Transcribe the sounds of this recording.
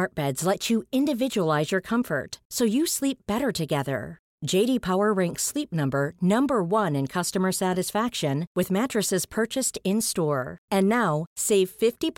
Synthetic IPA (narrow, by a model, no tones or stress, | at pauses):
ɑɹt̚b̥ɛdz̥lɛt͡ʃɨɪ̃ndɨvɪd͡ʒəəlˠaɪzjɔɹkʰʌ̃ɱfə̰˞tsoʊjɨslipp̚b̥ɛɾə˞ɾɨɡɛðə̰̥˞ | d͡ʒeɪɾipʰaʊə˞ɹɛ̃ŋkslip̚nʌ̃mbə˞nʌ̃mbə˞wʌ̃nɨ̃nkʰʌstɨmə˞sæɾɨsfækʃɨ̃nwɨðmæt͡ʃɹ̥ɨsɨz̥pʰɜ˞t͡ʃɨstɪ̃nstɔɹɨ̃nːaʊseɪv̥fɪftip